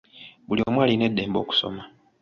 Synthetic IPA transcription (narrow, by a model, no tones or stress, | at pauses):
βulio̞mwaːline̞dːe̞ːmbo̞ːku̥so̞̰ma